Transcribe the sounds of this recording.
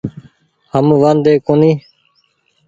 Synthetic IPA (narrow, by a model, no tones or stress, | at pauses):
həmʋaːnd̪eːkoːniː